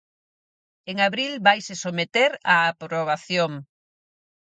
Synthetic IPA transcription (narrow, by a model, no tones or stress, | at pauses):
eŋaβɾilβajsesomet̪eɾaːpɾoβ̞aθjoŋ